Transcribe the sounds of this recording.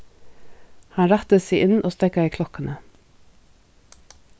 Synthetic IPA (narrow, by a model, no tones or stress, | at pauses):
hɑnɹæt̪əseːʔɪnʔoːst̪ɛkəiːkʰlɔkənə